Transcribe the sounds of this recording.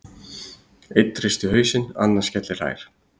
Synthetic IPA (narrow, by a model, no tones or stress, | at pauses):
ejt̪ːrɪst̪ʏhœːɥsɪna̰nːḁscɛt̪lɪr̥a̰ːjɾ̥